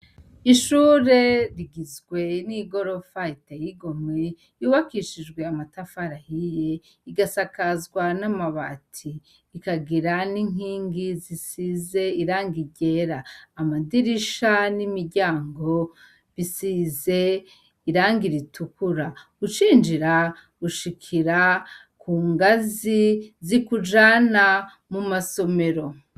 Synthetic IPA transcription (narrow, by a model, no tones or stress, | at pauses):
iʃuːɾe̞ɾiɡizɡwe̞niɡo̞ɾo̞faitajiɡo̞me | juːβakiʃid͡ʒɡwe̞amatafaɾahije | iɡasakazɡwanamaβatʰiː | kaɡiɾaniŋ̥iːŋɡizisize̞iɾaːŋɡiɟe̞ɾaːmadiɾiʃanimiɾɟaːŋɡo̞ | βisize̞ | iɾaːŋɡiɾitʰukuɾa | ut͡ʃiːnd͡ʒiɾa | uʃikʰiɾa | kʰuːŋɡazizikud͡ʒana | mumaso̞me̞ɾo̞